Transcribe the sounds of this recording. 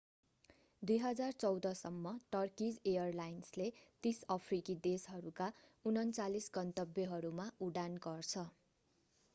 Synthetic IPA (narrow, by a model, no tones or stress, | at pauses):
d̪ujɦʌd͡zart͡sʌwd̪ʌsʌmːʌʈʌrkid͡zejʌrlajnslet̪isʌpʰrikid̪esɦʌɾukaunʌnt͡salisɡʌnt̪ʌbjʌɦʌɾumauɽanɡʌrt͡sʰʌ